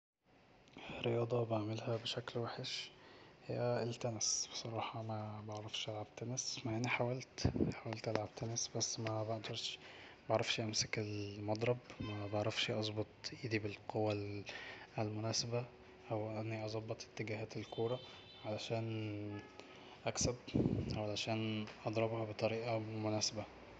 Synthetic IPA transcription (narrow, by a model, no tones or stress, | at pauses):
rːejɑːd̪ˤɑbaʕmelhæbeʃæklwaħeʃhejːæʔelt̪ænæsb̥esˤɑɾˤɑːħɑmæbɑʕɾˤɑfʃʔælʕab̥̚t̪ænæsmaʕhenːiħawælt̪ħawælt̪ʔælʕab̥̚t̪ænæsbæsːmæbaʕd̪ɑɾˤʃbɑʕɾˤɑfʃʔæmsekelmɑd̪ˤɾˤɑbmæbɑʕɾˤɑfʃʔɑzˤbot̪ˤʔiːd̪ibelqʰowːæ | lmonæːsebæ | ʔæwʔænːiʔɑzˤɑbːɑt̪ˤe̥t̪ːeɡæɦæːt̪elkʰuːɾˤɑ | ʕalæʃæːn | ʔæksæbʔæwʕalæʃæːnʔɑd̪ˤɾˤɑbhɑbet̪ˤɑɾiːʔɑmonæːsebæ